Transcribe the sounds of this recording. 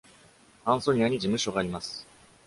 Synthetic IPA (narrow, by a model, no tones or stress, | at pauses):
ãɰ̃so̞ɲ̟iaɲ̟id͡ʑimɯ̟ɕo̞ɡaːɾʲimasɨ̥